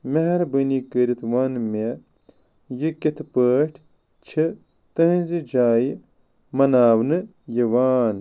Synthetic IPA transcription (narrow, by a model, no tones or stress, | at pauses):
meɦɐɾbənikəɾit̪ʰwaːnme | jiket̪ʰpəːʈʰ | t͡ʃʰi | t̪ɐɦĩzid͡ʒaːji | mɐnaːwnɨ | jiwaːn